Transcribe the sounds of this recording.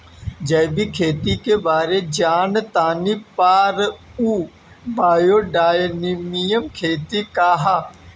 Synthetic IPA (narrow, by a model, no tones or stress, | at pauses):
d͡ʒəjbikʰeːt̪ikebaːɾed͡ʒaːnt̪aːnipaːɾuː | baːjoːɖaːjnimijəmkʰeːt̪ikaːɦaː